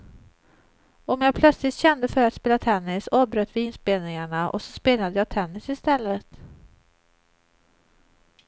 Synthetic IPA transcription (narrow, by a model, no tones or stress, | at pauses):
ɔmjɑːpʰlœt̪slɪt̪ɕɛnd̪əfœɾat̪speːlat̪ʰɛnːɪsɑːbɾøːt̪ʰvɪɪnspeːlnɪŋaɳaʔɔ̰sɔ̥speːlad̪əjɑːt̪ʰɛnːɪsɪst̪ɛlːət̪